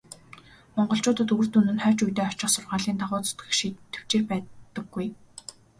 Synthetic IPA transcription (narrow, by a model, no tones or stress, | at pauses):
mɔɴɢɞ̆ɬt͡ɕʊːt̪ə̆t̪ɵr̥t̪unɘ̆nχœːt͡ɕujt̪eːɔt͡ɕɪ̆χsʊrʁaːɮiːnt̪aʁʊːt͡sʊ̥t̪ɡɘ̆xʃiːt̪ʰːe̥w̥t͡ɕeːrpæːtt̪ə̆ɡːuj